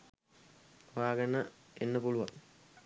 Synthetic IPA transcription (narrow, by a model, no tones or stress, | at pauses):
ʋaːɡɐnə | enːəpuluʋaŋ